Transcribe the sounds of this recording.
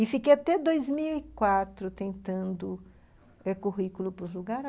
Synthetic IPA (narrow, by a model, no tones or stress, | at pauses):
ɪfikejat̪ɛd̪ojzmiwikwat̪ɾʊt̪ẽnt̪ɐ̃nd̪ʊ | ɛkuɦikulʊpʊluɡaɾ